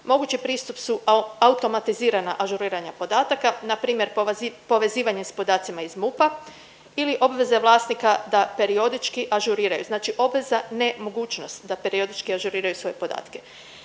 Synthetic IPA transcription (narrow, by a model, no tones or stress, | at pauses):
mo̞ɡut͡ɕipɾiːst̪upsuaut̪o̞mat̪iziːɾanaʔaʒuɾiːɾaɲapo̞d̪aːt̪akanapɾiːmje̞ɾpo̞ʋe̞ziːʋaɲespo̞d̪aːt̪simaizmupa | iliʔo̞bʋe̞zaʋlˠaːsnikad̪ape̞ɾio̞d̪it͡ʃkiʔaʒuɾiːɾajṵznaːt͡ʃiʔo̞bʋe̞zane̞mo̞ɡuːt͡ʃnost̪d̪ape̞ɾio̞d̪it͡ʃkiaʒuɾiːɾajusʋo̞je̞po̞d̪a̰ːt̪ke̞